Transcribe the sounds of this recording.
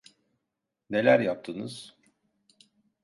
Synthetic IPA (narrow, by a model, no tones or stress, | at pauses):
ne̞lʲæɾjap̚t̪ʰɯnɯz̥